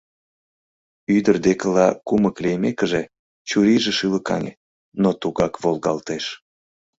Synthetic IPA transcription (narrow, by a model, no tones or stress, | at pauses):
yd̪ərd̪ekəlɑkuməklejmekəʒe | t͡ɕuɾiʒĕʃɯləkɑ̰nʲḛ | not̪uɣɑkβolɣɑ̰lt̪eʃ